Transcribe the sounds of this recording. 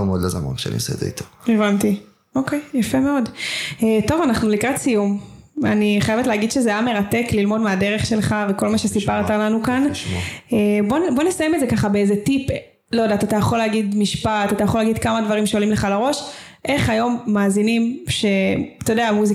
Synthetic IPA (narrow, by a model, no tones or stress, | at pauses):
meodlazama̰nkʃea̰nḭo̰sḛd̪zḛḭt̪ʰoevanti | okejjafemeo̞deto̞vanaχnulikʁatsijum | a̰niχajevetleaɡidʃezeajame̞ʁate̞klilmo̞dmeadeʁeχʃe̞lχaveko̞lmaʃesipaʁt̪alanukanʃebonbo̞ne̞sajemetzekaχabeezetip | lojodaːt̪at̪ajaχo̞leːɡid̪miʃpat̪at̪ajaχolaɡid̪kamad̪vaʁimʃeolimleχalaʁo̞ʃ | ʔe̞χajo̞mːaːzinimʃe̞t̪ojodeamuzi